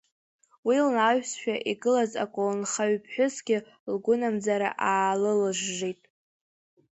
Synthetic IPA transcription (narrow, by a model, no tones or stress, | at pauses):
wilnaɥʷᶣsʃᶣaʔiɡɨlaza̰kʷʼonχaɥpʰħʷᶣʊzɡʲɪ | lɡʷʊnamd͡zaɾa̰ʔaːlɨlɨʒːejtʼ